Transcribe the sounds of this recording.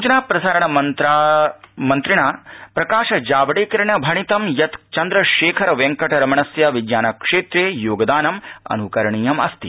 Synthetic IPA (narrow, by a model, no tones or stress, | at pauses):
t͡ʃɐnaːpɾɐsaːɾɐɳɐmɐnt̪ɾamɐnt̪ɾiɳaːpɾɐkaːʃɐd͡ʒaːbɐɽeːkiɾɳɐbʱɐɳit̪ɐmjɐt̪t͡ʃɐnd̪ɾɐʃeːkʰɐɾɐʋeŋkɐʈɐɾɐmɐɳɐsjɐʋid͡ʒjaːnɐkʂeːt̪ɾeːjoːɡɐd̪aːnɐmɐ̰nukɐɾɐɳiːjɐmɐ̰st̪i